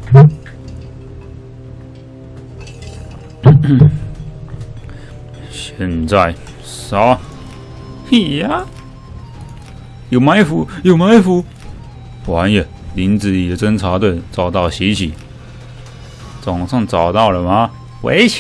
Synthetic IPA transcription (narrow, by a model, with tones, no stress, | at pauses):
ɕjɛ˥˧˨nt͡sa˥˩ɪ | sa˥ | i˥˧˩ja˥ | jo˨˩ʊma˧˥ɪfu˧˥jo˨˩ʊma˧˥ɪfu˧˥ | wa˧˥njɛ˨˩ | li˧˥nt͡sɹ̩˨˥i˨˩də˦t͡sə˥nt͡sʰa˧˥t̪we˥˩ɪt͡sɑ˨˩ʊt̪ɑ˥˩ʊɕi˧˥t͡ɕʰi˨˩˦ | t͡sɑ˨˩ŋʂɑ˥˩ŋt͡sɑ˨˩ʊt̪ɑ˥˩ʊlə˩mɐ˨˩ | wḛ˧˥ɪt͡ɕʰ